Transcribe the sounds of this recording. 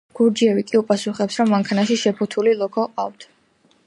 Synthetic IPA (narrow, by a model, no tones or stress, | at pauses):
ɡ̥uɾd͡ʒiɛvikʼiupʼasuχɛpsɾɔmːaŋkʰanaʃiʃɛpʰut̪ʰulilˠɔkʰɔqʼaft̪ʰ